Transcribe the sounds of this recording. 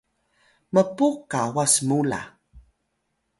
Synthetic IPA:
məpukːawasmula̰

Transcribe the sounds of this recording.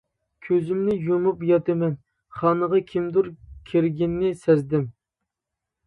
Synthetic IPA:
kʲʰøzymnɪjumupjɑt̪ɨmɛn | χɑːnəʁɑkʲʰimd̪uɾkʲʰiɾɡʲinːɪsɛzd̪ɪm

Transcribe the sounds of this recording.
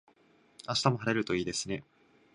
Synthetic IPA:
aɕi̥t̪amo̞ɦaɾe̞ɾɯ̟t̪o̞iːd̪e̞sɨne̞

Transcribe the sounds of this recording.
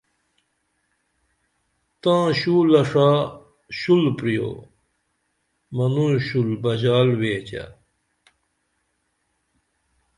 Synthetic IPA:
t̪ãːɕuːlɐʂa | ɕulpɾijo̰ː | mɐnũɕulbɐd͡ʑaːlweːt͡ɕa̰

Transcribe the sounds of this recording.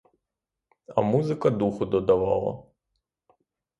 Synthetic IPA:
ɐ̰muzɪkɐd̪uxʊd̪ɔd̪ɐʋɑ̰lˠɐ̰

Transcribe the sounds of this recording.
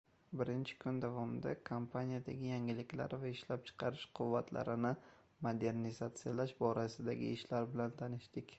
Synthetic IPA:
bɪɾɪnt͡ʃʰɪ̥kʰʊnd̪avɒmɪd̪akʰompʰanʲijad̪aɡʲɪjaŋɪlɪkʲla̰ɾvaɪʃlap̚t͡ʃʰɨ̥qʰɑɾɪʃqʰʊvːat̪la̰ɾɪnɪ | mod̪e̞ɾnizat̪sɪjalaʃbɒɾasɪd̪aɡʲɪ̰ɪʃlaɾbɪlant̪ʰanɪʃd̪ɪkʲ

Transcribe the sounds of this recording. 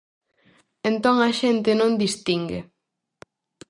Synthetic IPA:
ẽnt̪õŋɐʃent̪ɪnõnd̪ist̪iŋɡḛ

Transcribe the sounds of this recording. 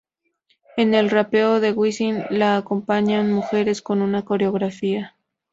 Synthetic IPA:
e̞ne̞lrape̞oðe̞ɣwisinlaːko̞mpaɲanmuxe̞ɾe̞sko̞nunako̞ɾeoɣɾafia

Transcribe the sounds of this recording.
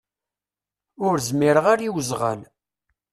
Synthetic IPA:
ʊɾzmiɾəʁaɾiwzʁə̰n

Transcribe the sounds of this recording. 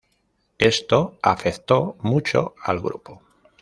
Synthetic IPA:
e̞st̪oafeθt̪o̞mut͡ʃo̰a̰lɣɾupo

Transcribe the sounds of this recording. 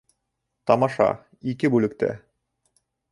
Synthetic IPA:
t̪ɑmɑʃɑ̰ | ikɘbʉlɘ̆k̚t̪æ̰

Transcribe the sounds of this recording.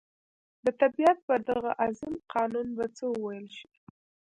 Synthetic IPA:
d̪ət̪abijat̪̚pəɾd̪aɣaʔazimqʰɑnunbat͡səwəwajəlʃi̥

